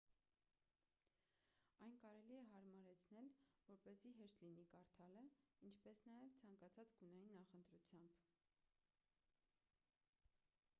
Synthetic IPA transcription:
ɑjnkɑɾɛliɛɦɑɾmɑɾɛt͡sʰnɛlvɔɾpɛziɦɛɾt̪linikɑɾt̪ʰɑləint͡ʃʰpɛsnɑjɛvt͡sʰɑŋkɑt͡sʰɑt͡sɡunɑjinːɑχənt̪ɾut͡sʰjɑmb

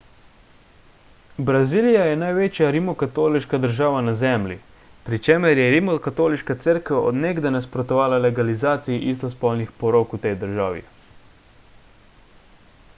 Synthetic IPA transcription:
bɾazilijajɛnajʋeːt͡ʃjaɾimɔkat̪oːliʃkad̪əɾʒaːʋanazɛmlʲḭ | pɾit͡ʃeməɾjɛɾimɔkat̪oːliʃkat̪səɾkɛɔ̰d̪neɡd̪anaspɾɔt̪ɔʋaːlalɛɡalizaːt̪sijiʔist̪ɔspɔlnixpɔɾoːkut̪ejd̪əɾʒaːʋḭ

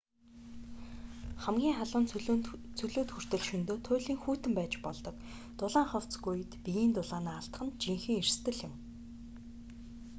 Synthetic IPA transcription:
χæmɡʲiːŋχaɮʊːnt͡sʰɵɮoːt̪xur̥t̪ɵ̆ɮʃɵnt̪oːt̪ʰʊːɮiːŋxuːt̪ɘ̆mpæːt͡ɕpɔɮt̪ɞ̆k | t̪ʊɮaːŋχɔw̥t͡sɡuj̆t̪pijiːnt̪ʊɮaːnaːɬt̪̆χə̆nt͡ɕiŋxɘ̆ŋirst̪ɘ̆ɮjɪ̆m

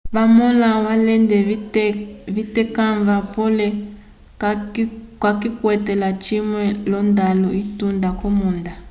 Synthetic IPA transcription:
βamɔlawalɛndɛ | βitɛkaɱvapɔlɛ | kwakikwɛtɛlat͡ʃimwɛlɔndaluitundakɔmunda

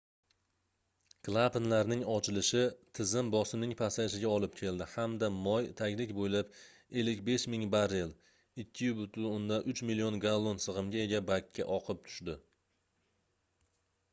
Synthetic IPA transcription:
klˠapɪnlaɾnɪŋɒt͡ʃʰɪlɪʃɪt̪ʰɪzɪmbɒsɪmnɪŋpʰasaʃɪɡʲaɒlˠɪp̚kʲʰe̞ld̪ɪhamd̪amɒjt̪ʰaɡʲlɪkʲbojlap | e̞lːɪk̬ʲbe̞ʃmɪŋbaɾel | ɪkʲːɪjʊbʊt̪ʰʊʊnd̪aʔʊt͡ʃmɪlːijonɡalˠːonsɨʁɨmɡʲae̞ɡʲabakʲʰːa̰ʔɒqʰɨp̚t̪ʰʊ̥ʃd̪ɪ

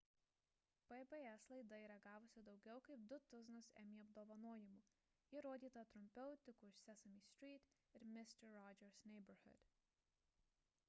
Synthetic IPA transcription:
pɛbɛɛslˠɐɪd̪ɐiːɾɐɡɑːʋʊsʲɪd̪ɒʊɡʲɛʊkɐɪp̚d̪ʊt̪ʊznʊsɛ̰mʲiːɐb̚d̪oːʋɐnoːjɪmuː | jɪɾoːd̪ʲiːt̪ɐt̪ɾʊmʲpʲɛʊt̪ʲɪkuːɪʃsʲɛsɐmʲiːsʲt̪ʲɾʲiːt̪ʲɪɾmʲɪsʲt̪ʲɛɾːɔd͡ʒʲɛɾsnʲɛɪbɐɾhʊ̰d̪̥ʲ

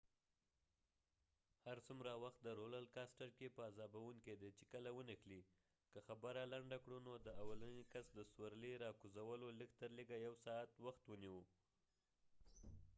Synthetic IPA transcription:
haɾsumɾawaxt̪̚d̪əɾolalkɑsʈəɾkepəazɑbawuŋked̪at͡ʃekəlawənəxli | kəxabəɾalaɳɖakɽunod̪əawalanekasd̪əswaɾleɾɑkuzawəloləɡt̪əɾleɡajawsɑat̪waxt̪wəniwu

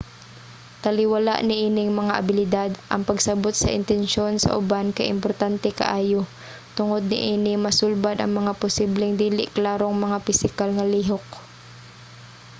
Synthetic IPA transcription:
t̪ɐlɪwɐla̰ʔnɪʔiːnɪŋmɐŋaʔɐbɪlɪd̪ad̪ʔɐ̰ŋpɐɡsɐbot̪̚sɐ̰ʔɪ̰nt̪ɛnʃo̞nsɐ̰ʔʊbankɐ̰ʔɪ̰mpoɾt̪ant̪ɛkɐ̰ʔaːjo | t̪ʊŋod̪̚nɪ̰ʔiːnɪmɐsulbad̪ʔɐ̰ŋmɐŋapʊsiblɛŋd̪iːlɪ̰ʔklaːɾoŋmɐŋapɪsɪkalŋɐliːɦok̚

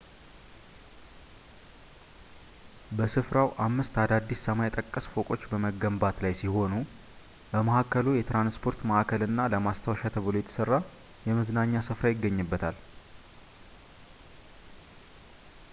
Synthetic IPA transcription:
bəsɨfɾawʔamːɨst̪ad̪ad̪ːisːəmajɛt̪ʼəkʼːəsfo̞kʼo̞t͡ʃːbəməɡəmbat̪lajsiho̞nu | bəməhakːəlujɛt̪ɾanspʰo̞ɾt̪məʔakʰəlɨnːaləmast̪ʰəwʃat̪ʰəβlojɛt̪ʰsɨrːa | jɛməznaɲːasɨfɾajɪɡːəɲːɨbːət̪ʰal

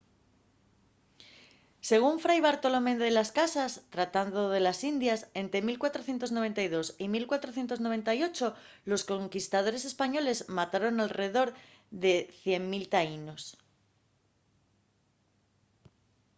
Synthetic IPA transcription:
se̞ɣ̞uɱfɾajβaɾt̪o̞lomẽnd̪elaskasast̪ɾat̪and̪oð̞e̞lasind̪jase̞nt̪ɾe̞milkwat̪ɾo̞θjent̪o̞zno̞β̞e̞nt̪ajðo̞similkwat̪ɾoθje̞nt̪oznoβe̞nt̪ajo̞t͡ʃo̞ | lo̞sko̞ŋkist̪að̞o̞ɾe̞se̞spaɲo̞le̞zmat̪aɾo̞nalre̞ð̞o̞ɾ | ðe̞θje̞ŋmilt̪aino̞s

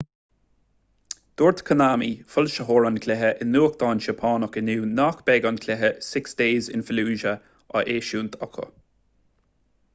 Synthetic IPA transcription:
d̪̥oːɹt̪kʰənaːmifʊlʃəɦoːɹankʰlɛɦəʔɪnːuːəkd̪̥ɑːnʃəpʰɑːnəkɪnuːnaːkb̥ɛɡankʰlɛɦəsɪksd̥eːzɪ̰nfɪluːʒə | ə̰ʔeːʃuːnt̪ʰɔkʰə̰

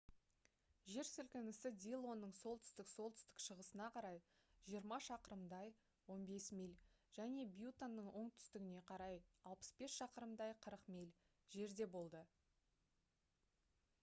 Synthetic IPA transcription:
ʒe̞ɾsʏlkʲɪnɪsɪd̪ʲijlˠo̞nːəɴso̞lˠt̪ʰʏ̥st̪ɪkso̞lˠt̪ʰʏ̥st̪ɪ̥kʃəʁəsənɑqʰɑɾɑjʒ̥ijəɾmɑʃɑqəɾəmd̪ɑj | wo̞nbe̞smʲijlʲʒ̥æne̞bjut̪anːəɴwo̞ɴt̪ʰʏ̥st̪ɪɡʲɪne̞qʰɑɾɑjɑlˠpə̥sbe̞sʃɑqəɾəmd̪ɑjqʰəɾəqmʲijlʲ | ʒe̞ɾd̪e̞bo̞lˠd̪ə

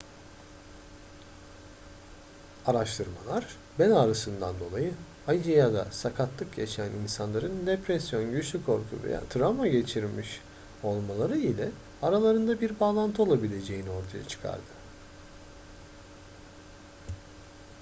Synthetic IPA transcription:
aɾaʃt̪ʰɯɾma̰lˠaɾ | bɛnaɾasɯnd̪and̪o̞lˠajɯ | ajd͡ʒijad̪a̰sakʰat̪lˠɯkja̰ʃaninsanlˠaɾɯnd̪epɾɛsjo̞nɟyt͡ʃlʲykʰo̞ɾkʰṵvḛja̰ːt̪ʰɾamaɟe̞t͡ʃʰiɾmiʃ | o̞lˠmalˠaɾɯilʲɛ | aɾalˠaɾɯnd̪abiɾbaːlˠant̪ʰɯo̞lˠabilʲe̞d͡ʒe̞jinio̞ɾt̪ʰaja̰t͡ʃʰɯ̥kʰa̰ɾd̪ɯ

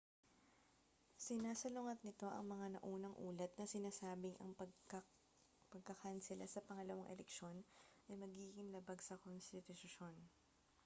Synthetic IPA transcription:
sɪnaːsɐlʊŋɐt̪̚nɪt̪o̞ʔɐ̰ŋmɐŋanɐ̰ʔuːnɐŋʔuːlɐt̪̚nɐsɪnaːsaːbɪŋʔɐ̰ŋpɐkɐ | pɐɡ̚kɐkansɪla̰sɐpɐŋɐlɐwaŋʔɛ̰lɛkʃo̞nʔɐjmɐɡiːɡɪnlɐbaɡsɐkonst̪ɪt̪ʊtʊʃo̞n

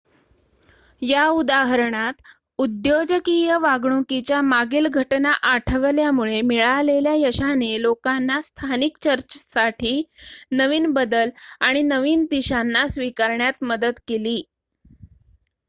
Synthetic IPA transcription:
jaud̪aɦəɾɳat̪ | ud̪jod͡ʑəkijəʋaɡɳukit͡ɕjamaɡiːlɡʱəʈnaʔaʈʰəʋljamuɭemiɭaleljajəɕanelokanːast̪ʰanikt͡ɕəɾt͡ɕəsaʈʰiːnəʋiːnbəd̪əlaɽ̃inəʋiːnt̪iɕanːasʋikaɾɳjat̪məd̪ət̪keliː

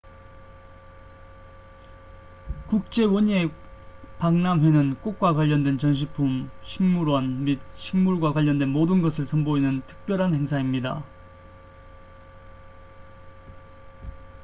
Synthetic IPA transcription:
kuk̚t͡ɕ͈e̞wʌɲie̞ | paŋnaŋɦwe̞nɯnk͈ok̚k͈wakwaʎːʌndwe̞nt͡ɕʌnɕ̬ʰipʰumɕʰiŋmuɾwʌnmit̚ɕʰiŋmuɭɡwakwaʎːʌndwenmodɯnɡʌsʰɯɭsʰʌnboinɯntʰɯ̥k̚p͈jʌɾɦanhe̞ŋsʰaimɲida̰

